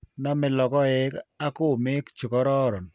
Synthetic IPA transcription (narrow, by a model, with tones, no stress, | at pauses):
na˦mɪ˨lɔ˨kɔ˦ɪ˦ka˦kʊ˦˨mɪ˦kt͡ʃʊ˨kɔ˦ɾɔ˦˨ɾɔ˨n